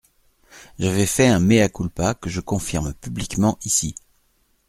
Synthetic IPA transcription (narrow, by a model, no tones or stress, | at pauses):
ʒavɛfɛɛ̃meakulpakəʒəkɔ̃fiʁmpyblikmɑ̃ʔisi